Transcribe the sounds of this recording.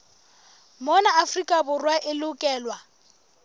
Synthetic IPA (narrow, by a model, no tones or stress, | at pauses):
mɔnaːfrikʼabʊrwaʔɪlʊkʼɛːlwa